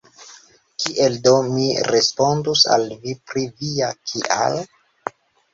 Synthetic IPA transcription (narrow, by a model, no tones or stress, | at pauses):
kiʔeldo̞miɾespo̞ndusa̰lvipɾiviakʰiʔa̰l